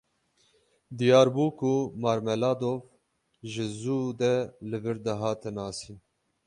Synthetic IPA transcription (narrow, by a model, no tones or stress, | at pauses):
d̪ijɑːɾbuːkʰumɑːɾmɛlɑːd̪oːv | ʒɪzuːd̪ɛlɨvɨɾd̪ɛɦɑːt̪ʰɛnɑːsiːn